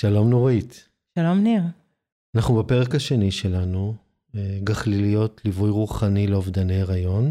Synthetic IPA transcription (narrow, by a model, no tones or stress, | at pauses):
ʃalo̞mnoʁit | ʃalomniʁ | anaχnubepeʁekhaʃe̞niʃe̞lanu | eɡaχlilijo̞tlivujʁuχanileovdane̞jaʁajo̞n